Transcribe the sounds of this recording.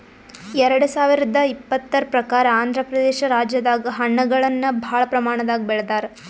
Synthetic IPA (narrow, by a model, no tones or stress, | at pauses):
ɛɾɐɽusaːʋiɾid̪ɐipːɐt̪ːɐɾpɾɐkaːɾɐaːnd̪ʱɾɐpɾɐd̪eːʃɐɾaːd͡ʒjɐd̪aːɡɐɦɐɳːɐɡɐɭɐnːɐbʱaːɭɐpɾɐmaːɳɐd̪aːɡibɛɭɐd̪aːɾe